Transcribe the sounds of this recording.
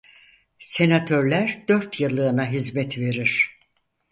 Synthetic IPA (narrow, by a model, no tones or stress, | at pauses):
se̞nat̪ʰøɾlʲæɾd̪̥øɾt̪jɯlˠɯːnaɦizmɛt̪ve̞ɾiɾ̥